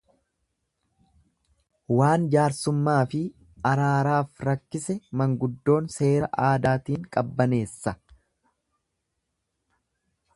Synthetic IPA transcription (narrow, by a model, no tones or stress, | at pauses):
waːnd͡ʒaːɾsʊmːaːfɪ | ɐɾaːɾaːfɾɐkːɪsɛmɐŋɡʊd̪ːo̞ːnse̞ːɾɐʔaːd̪aːt̪iːŋkʼɐbːɐne̞ːsːɐ